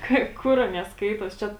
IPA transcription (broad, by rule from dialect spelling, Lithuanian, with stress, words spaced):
ˈkɐɪ ˈkʊr ˈɑːnʲiɛ ˈskɐɪtoːs ˈt͡ʃʲɛ